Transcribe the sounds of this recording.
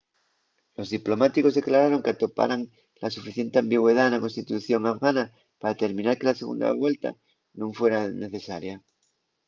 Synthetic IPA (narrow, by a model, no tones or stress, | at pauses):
lo̞zðiplo̞mat̪iko̞zðe̞klaɾaɾo̞ŋkeat̪o̞pa̰ɾaŋ | lasufiθje̞nt̪eambiɣwe̞ðaenlako̞nst̪it̪uθjo̞ŋafɣana | paɾaðet̪e̞ɾmĩnaɾke̞lase̞ɣ̞ṵnd̪a̰βwe̞lt̪a̰ | nũɱfwe̞ɾane̞θe̞saɾja